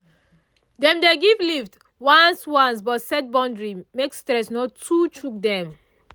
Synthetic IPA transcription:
dɛ̃mdeɡivlift | wãnswãns̬bɔtsɛt̚bɔ̃ndɹimekstɹɛsnɔtʰut͡ʃuk̚dɛ̃m

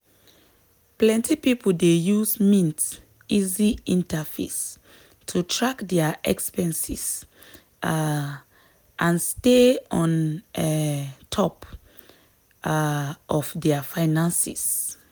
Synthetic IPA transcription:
plɛ̃ntʰipipoldejuzmĩnt | iziĩntafḛs | tʰutʰɹakdɛaʔɛ̰kspɛ̃nsḭs | ʔãnsteɔ̃n | tʰɔp | ʔɔfdɛafaɪnãnsḭs

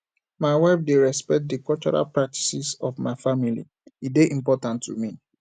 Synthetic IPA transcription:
maɪwaɪfdeɹɛspɛk̚t̚dikɔlt͡ʃɔɹa̰lpɹak̚ti̥sisɔfmaɪfamilḭ | itdeʔĩmpɔtãntʰːṵmi

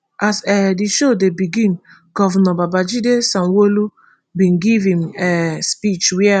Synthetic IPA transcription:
asɛdiʃodebiɡĩn | ɡɔvɔnɔbabad͡ʒidesãnwolu | bĩnɡivĩmɛspit͡ʃwɛ

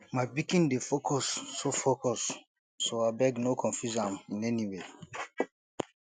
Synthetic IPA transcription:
maɪbikĩndefokɔsːofokɔsː | oabɛɡnokʰɔ̃nfjuzãmĩnɛniwe

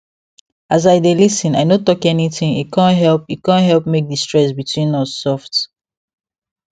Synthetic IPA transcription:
azaɪdelisĩnaɪnotɔkɛnitĩŋḭtkʰãntɦɛlpit̚kãnɦɛlˠpmek̚distɹɛsbitʰwĩnɔssɔft

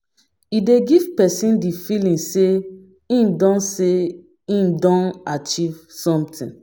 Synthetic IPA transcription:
ideɡivpɛsĩndifilĩnse | ĩmdɔ̃nse | ĩmdɔ̃nat͡ʃivsɔ̃mtʰḭ̃n

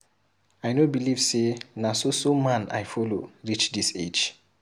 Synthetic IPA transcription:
ajnobilivsenasosomãna̰jfɔloɹit͡ʃdised͡ʒ

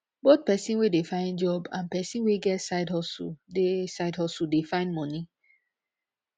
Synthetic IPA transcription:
bot̪̚pɛsĩnwedefãɪ̃nd͡ʒɔbã̰npɛsĩnweɡɛtsaɪdhɔsṵdesaɪdhɔsudefãɪ̃ndmɔni

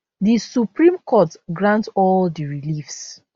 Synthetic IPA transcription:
disupɹĩmkʰɔtɡɹãntɔldiɹilifs

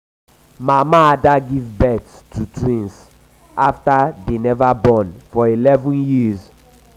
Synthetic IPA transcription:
mamãdaɡivbɛtstʰutʰɹĩns | aftadenɛvabɔ̃nfɔilɛvũnjiz

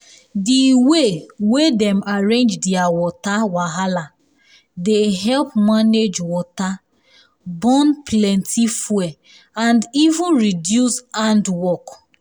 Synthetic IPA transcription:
diwewedɛ̃maɹẽnd͡ʒdiawɔtawaɦala | deɦɛlpmaned͡ʒwɔta | bɔ̃nplɛ̃ntʰifwɛ | ãndivũnɹidjusãndwɔk

